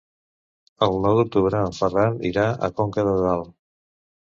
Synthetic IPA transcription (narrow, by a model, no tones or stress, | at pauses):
əlˠnɔwðuk̚t̪uβɾəːlfəraɾḭɾaʔə̰kɔŋkəðəðalˠ